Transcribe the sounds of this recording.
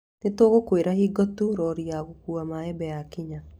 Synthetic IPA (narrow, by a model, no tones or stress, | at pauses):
netoːɣokweɾahiɡɔtuɾɔɾiaɣokuamaɛbɛjakiɲa